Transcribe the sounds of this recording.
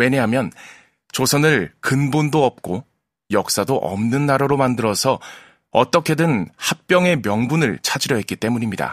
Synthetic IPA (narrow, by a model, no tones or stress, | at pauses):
we̞ɲeɦamjʌn | t͡ɕosʰʌnɯɭkɯnbondoʌp̚k͈o | jʌk̚s͈adoʔʌ̰mnɯnːaɾaɾomandɯɾʌsʰʌ | ʌt͈ʌkʰe̞dɯnhak̚p͈jʌŋe̞mjʌŋbunɯɭt͡ɕʰad͡ʑiɾjʌɦe̞t̚k͈it͈e̞muɲimɲida̰